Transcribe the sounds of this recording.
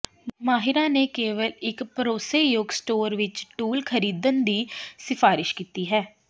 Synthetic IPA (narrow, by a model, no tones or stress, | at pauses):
maːɦɪɾãːneːkeːʋəlɪkpəɾoːseːjoɡsʈoːɾʋɪt͡ʃʈuːlkʰəɾiːd̪ənd̪iːsɪfʰaːɾɪʃkiːt̪iːɦɛː